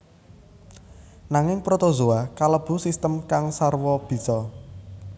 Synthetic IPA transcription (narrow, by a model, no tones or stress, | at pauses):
naŋɪŋpɾot̪ozoakaləb̥ṳsist̪əmkaŋsarwɔb̥i̤sɔ